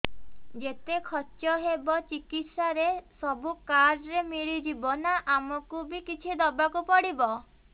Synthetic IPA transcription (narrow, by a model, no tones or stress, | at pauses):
d͡ʒet̪ekʰɔt͡ʃɔɦebɔt͡ʃikit̪saɾesɔbukaɾɖɾemiɭid͡ʒibɔnaʔamɔkubikit͡ʃʰid̪ɔbakupɔɽibɔ